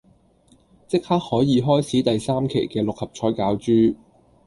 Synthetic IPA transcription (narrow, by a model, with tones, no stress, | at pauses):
t͡sɪ˥k̚haː˥k̚hɔː˨˥jiː˨˧ɦɔː˥jt͡sʰiː˨˥t̪ɐ˨jsaː˥mkʰe˨˩jkɛː˧lʊ˨k̚hɐ˨p̚t͡ʃʰɔː˨˥jkaː˨˧wt͡ʃyː˥